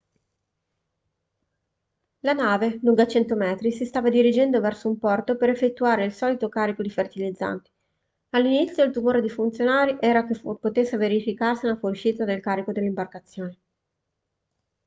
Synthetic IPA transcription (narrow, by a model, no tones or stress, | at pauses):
lanaːvenuŋɡat͡ʃɛnt̪omɛːt̪ɾisist̪aːvad̪iɾid͡ʒɛnd̪ovɛrsoumpɔrt̪opeɾefːet̪ːuaːɾeilsɔːlit̪okaːɾikod̪ifert̪ilid̪zːa̰nt̪i̥ | alːinit̪sːjoilt̪umoːɾed̪ifunt̪sjonaːɾiʔɛːɾakefpot̪esːeveɾifikarsiunafoluʃiːt̪ad̪elkaːɾikod̪elːimbarkat̪sːjoːne